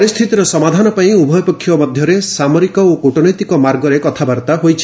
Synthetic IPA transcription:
ɾist̪ʰit̪iɾɔsɔmad̪ʱanɔpaĩubʱɔjpɔkʰːjɔmɔd̪ʱjɔɾesamɔɾikɔokoʈɔnɔjt̪ikɔmaɾɡɔɾekɔt̪ʰabaɾt̪aɦojt͡ʃʰi̥

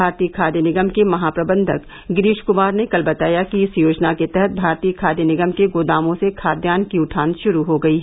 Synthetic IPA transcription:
aːɾt̪iːkʰaːd̪jənɪɡəmkemɐɦaːpɾɐbə̃nd̪ʱək | ɡɪɾiːʃkʊmaːɾnekɐlbɐt̪aːjakiɪsjoːd͡ʒnaket̪ɛɦɛt̪̚bʱaːɾt̪iːkʰaːd̪jənɪɡəmkeɡoːd̪aːmõsekʰaːd̪jaːnkiʊʈʰaːnʃʊɾuɦoɡɐiɦ

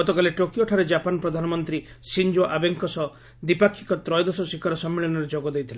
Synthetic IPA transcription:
ɔt̪ɔkaleʈokioʈʰaɾed͡ʒapanɔpɾɔd̪ʱanɔmɔnt̪ɾi | sind͡ʒoʔabeŋkɔsɔ | d̪ipakʰːi̥kɔt̪ɾɔjd̪ɔsɔsikʰaɾɔsɔmːiɭɔnɔɾed͡ʒɔɡɔd̪ejt̪ʰile

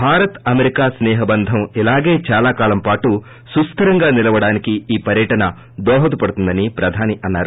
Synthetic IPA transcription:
bʱaːɾɐt̪ɐmeɾikaːsnɛːɦɐbɐnd̪ʱɐmilaːɡe̞ːt͡ʃaːlaːkaːlɐmpaːʈu | sust̪ɐɾɐŋɡaːnilɐʋɐɽaːnikiiːpɐɾjɐʈɐnɐ | d̪ɔːɦɐt̪upɐɽut̪und̪ɐnipɾɐd̪ʱaːniʔɐnːaːɾu

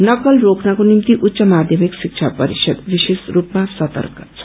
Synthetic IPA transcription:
nʌkəlɾoːknakonimt̪iʔutːʃəmaːd̪ʱjəmikʃɪkt͡ʃʰapəɾḭʃəd̪ʋiʃeːsɾuːpmãsɐt̪ə̰ɾkə̥

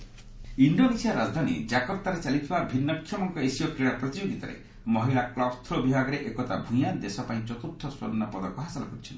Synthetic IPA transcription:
iɳɖonesiaɾad͡ʒd̪ʱanḭd͡ʒakɔp̚t̪aɾet͡ʃalit̪ʰibabʱinːɔkʰjɔmɔŋkɔesiɔkɾiɽapɾɔt̪id͡ʒoɡit̪ɔɾḛ | mɔɦilaklɔbst̪ʰɾobibʱaɡɔɾeʔekɔt̪a̰bʱũj̃ad̪esɔpaĩt͡ʃɔt̪ut̪ʰːɔswo̰nnːɔpɔd̪ɔkɔɦasɔlɔkɔɾit͡ʃʰɔn

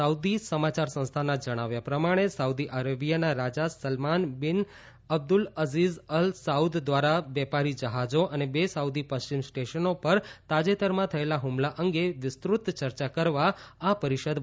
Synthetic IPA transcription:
əud̪isəmat͡ʃaɾsə̃ñst̪ʰanad͡ʒəɽ̃aʋjapɾəmaɽ̃esaud̪iʔaɾabijanaɾad͡ʒasəlmanbɪn | əb̚d̪ʊləzizəlsaud̪d̪ʋaɾaʋɛpaɾid͡ʒəɦad͡ʒoʔənebesaud̪ipəst͡ʃimsʈeʃənopəɾt̪ad͡ʒet̪əɾmãt̪ʰəelaɦumlaʔəŋɡeʋɪst̪ɾʊt̪t͡ʃəɾt͡ʃakəɾʋaapəɾiʃəd̪

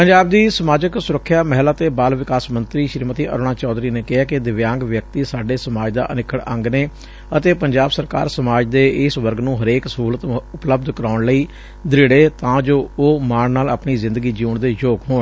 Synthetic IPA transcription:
pəɲd͡ʒaːb̚d̪iːsəmaːd͡ʒəksʊɾəkʰːjaːmɛɦlaːt̪eːbaːlʋɪkaːsmənt̪ɾiːʃɾmət̪iːʔə̰ɾoːɽ̃ãːt͡ʃɔːd̪ɾiːneːkɪɦaːkɪd̪ɪʋjãːŋɡʋjək̚t̪iːsaːɖeːsəmaːd͡ʒd̪a̰ːʔənɪkʰːəɽə̃ŋɡneː | ət̪eːpəɲd͡ʒaːbsəɾka̰ːɾsəmaːd͡ʒd̪eːɪsʋəɾɡnũːɦəɾeːksəɦuːlət̪ʊpləb̚d̪kəɾaːʊɳləiː | d̪ɾɪɽeːt̪ãːd͡ʒoːoːmaːɳnaːla̰ːpɳiːzɪ̃nd̪əɡiːd͡ʒiːɳd̪eːjoːɡɦoːɳ

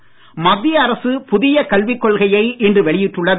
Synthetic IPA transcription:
mɐðːɪjɐɐɾɐsɯpʊðɪjɐkɐɭʋɪkːɔɭɣɐjɐɪʔɪndrɯʋɛɭɪjɪʈrːɯɭːɐð

